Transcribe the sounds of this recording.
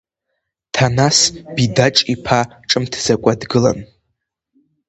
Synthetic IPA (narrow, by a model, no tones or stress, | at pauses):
tʰanasb̥idaʈ͡ʂʼipʰaʈ͡ʂʼɨmtʰz̥akʷʼadɡɨla̰n